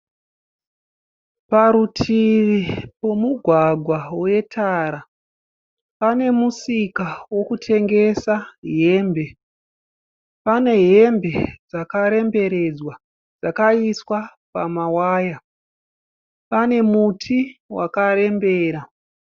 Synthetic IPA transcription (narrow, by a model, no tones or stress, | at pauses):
paɾutʰiʋipo̞muɡʱwaɡʱwawe̞tʰaːɾa | pane̞musikawo̞kutʰe̞ŋɡe̞saɦe̞ːmbe̞ | pane̞ɦe̞mbe̞d͡zakaɾe̞mbe̞ɾe̞d͡zwa | d͡zakaiswa | pamawaːja | pane̞mutʰiwa̰kaɾe̞mbe̞ːɾa